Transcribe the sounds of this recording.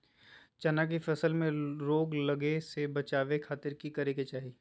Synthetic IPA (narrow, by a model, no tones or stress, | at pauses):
t͡ʃɐnak̬ifɛsəlmẽɾoːɡlɐɡesebɐt͡ʃaːʋekʰaːt̪ɪɾkikɐɾeket͡ʃaːɦiː